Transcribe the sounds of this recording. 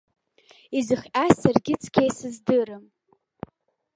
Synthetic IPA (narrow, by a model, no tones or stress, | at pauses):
izɨχʲasarɡʲɪt͡sʰkʲʰejsɨzdɨrɨm